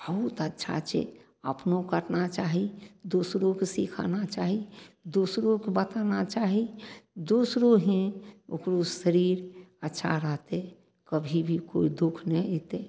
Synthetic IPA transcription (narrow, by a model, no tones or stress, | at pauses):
bəɦʊt̪ətːʃʰa̰t͡ʃḛ | əpnokəʈnat͡ʃaːɦid̪uːsɾokesikʰa̰nat͡ʃaːɦid̪uːsɾõkebət̪anat͡ʃaːɦid̪uːsɾoɦẽʊ̰kɾuːsʃəɾiːɾətːʃʰa̰ɾət̪e | kəbʱibʱiko̰ːid̪ʊkʰnəiit̪e